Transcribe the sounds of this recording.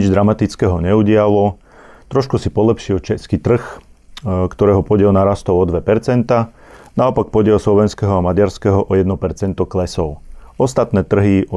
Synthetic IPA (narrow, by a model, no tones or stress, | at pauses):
id͡ʒd̪ɾamat̪it͡skɛːɦɔɲɛuɟɪalɔ | t̪ɾɔʃkusipɔlɛpʃiɔt͡ʃɛskit̪r̩x | kt̪ɔɾɛːɦɔpɔɟɛlnaɾast̪ɔʊɔd̪ʋɛpɛɾt͡sɛnt̪a | naɔpak̚pɔɟɛlˠslɔʋɛnskɛɦɔamaɟaɾskɛɦɔʔɔjɛd̪nɔpɛɾt͡sɛnt̪ɔklɛsɔʊɔst̪at̪nɛːt̪r̩ɦiɔ